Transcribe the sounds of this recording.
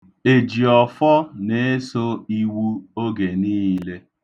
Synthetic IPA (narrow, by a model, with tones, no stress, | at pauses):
e˨d͡ʒi˨ɔ˨fɔ˦ne˨˦e˦so˦i˦wu˦o˦ɡe˨niː˦le˦